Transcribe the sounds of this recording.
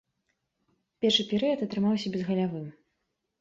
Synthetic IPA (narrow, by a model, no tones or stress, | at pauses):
pʲɛrʂɨpʲɛɾɨjɐt̪ɐt̪ɾɨmawsʲɐbʲɛzɣɐlʲavɨm